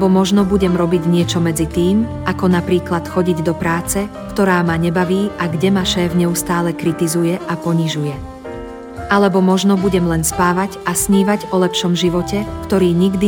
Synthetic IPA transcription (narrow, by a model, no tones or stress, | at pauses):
bɔmɔʒnɔbuɟɛmɾɔbiɟɲɪɛt͡ʃɔmɛd͡zit̪iːmʔakɔnapɾiːklat̪xɔɟiɟd̪ɔpɾaːt͡sɛkt̪ɔɾaːmaɲɛbaʋiːʔaɡɟɛmaʃɛːvɲɛust̪aːlɛkɾit̪izujɛʔapɔɲiʒujɛ | ʔalɛbɔmɔʒnɔbuɟɛmlɛnspaːʋaɟʔasɲiːʋaɟɔlɛpʃɔmʒiʋɔcɛkt̪ɔɾiːɲiɡd̪i